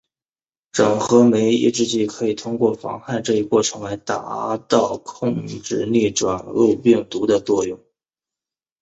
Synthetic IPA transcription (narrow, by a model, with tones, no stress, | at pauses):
ʈ͡ʂɤ˨˩ŋxɤ˧˥me˧˥ɪḭ˥˧ʈ͡ʂɻ̩˧˥t͡ɕi˥˩kʰɤ˧˥i˨˩t̪ʰʊ˥ŋkwɔ˥˩fɑ̰˧˥ŋxa˥˧ɪʈ͡ʂɤ˥˩i˧˥kwɔ˥˩ʈ͡ʂʰɤ˧˥ŋla˧˥ɪt̪a̰˨˧˥t̪ɑ˥˧ʊkʰʊ˥˧ŋʈ͡ʂɻ̩˥˩li˥˩ʈ͡ʂwa˨˩nlu˥˧pi˥˩ŋt̪u˧˥d̪ə˧t͡swɔ˥˧jʊ˥˩ŋ